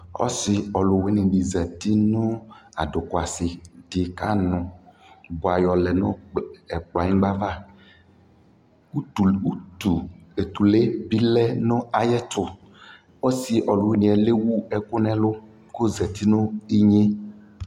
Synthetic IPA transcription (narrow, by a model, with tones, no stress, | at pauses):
ɔ̰˦sɪ˨ɔ˨lʊ˨we˦nĩ˨bi˨zɛ˨t̪i˦nʊ˦a̰˨ɖʊ˨kʊ˨a˨sɪ˨d̥ɪ˨ka˦nʊ̃˨ | bʊ˨a˨jɔ˨lɛ˨nʊ˦ɛ˨k͡pla˨ɲĩ˦ɡ͡ba˦va˦ | u˦˨u˦tu˨e˨t̪u˨le˦bi˦lɛ˦nʊ̃˦a˨jɛ˦t̪ʊ˨ | ɔ˦si˨ʔɔ˨lʊ˨wi˦nĩ˨ɛ˨le˦wu˦ɛ˦kʊ˦nɛ̃˦lʊ˦ | ko˦zɛ˨t̪i˦nʊ̃˦i˦ɲe˦